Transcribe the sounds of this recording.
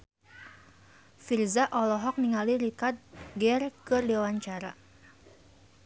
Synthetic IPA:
firzaʔɔlɔɦɔk̚niŋaliɾikart̪̚ɡɛrkərdewaɲt͡ʃaɾa

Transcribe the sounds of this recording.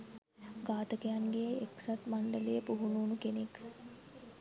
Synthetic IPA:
ɡaːt̪əkejaŋɡeeksat̪maɳɖəlejəpuɦunuːnukenek

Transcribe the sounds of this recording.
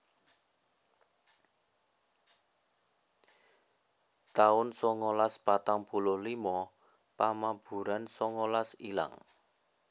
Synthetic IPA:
t̪aʊnsɔŋolaspat̪aŋpulʊhlimɔ | pamab̥ṳɾansɔŋolasila̰ŋ

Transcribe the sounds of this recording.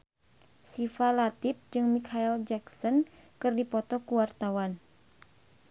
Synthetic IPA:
sifalat̪ip̚d͡ʒɨŋmikʰaild͡ʒaksɔnkɨrdipɔt̪ɔkuwart̪awan

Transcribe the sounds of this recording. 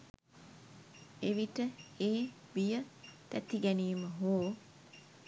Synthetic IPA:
eʋiʈəeː | bijət̪æt̪iɡæniːməɦoː

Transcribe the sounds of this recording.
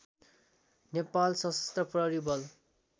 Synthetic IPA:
nepalsʌsʌ̥st̪rʌprʌɾibʌl

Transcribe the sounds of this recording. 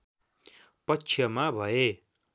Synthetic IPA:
pʌt͡ʃʰjʌmabʱʌe

